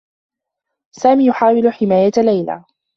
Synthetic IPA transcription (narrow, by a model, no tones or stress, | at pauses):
saːmiːjʊħaːwɪlʊħɪmaːjalajla̰ː